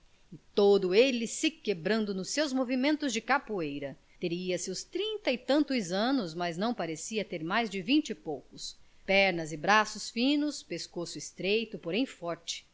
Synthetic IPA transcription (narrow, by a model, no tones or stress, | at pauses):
ɪt̪od̪ʊelɪsɪkebɾɐ̃nd̪ʊnʊsewzmovimẽnt̪ʊzd͡ʒɪkapuejɾɐ | t̪eɾiɐsɪʊst̪ɾĩnt̪ɐɪt̪ɐ̃nt̪ʊzɐ̃nʊzmɐznɐ̃w̃paɾesiɐt̪eɾmajzd͡ʒɪvĩnt͡ʃɪpowkʊs | pɛɾnɐzɪbɾasʊsfĩnʊspeskosʊɪst̪ɾejt̪ʊpoɾẽj̃fɔɾt͡ʃɪ̥